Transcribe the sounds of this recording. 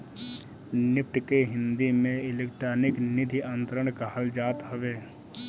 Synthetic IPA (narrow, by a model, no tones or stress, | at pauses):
nɪpʈkeɦɪ̃nd̪imẽɪleːkʈɾaːnɪknɪd̪ʱiə̃nt̪ɾəɽ̃kaɦəld͡ʒaːt̪ɦəʋeː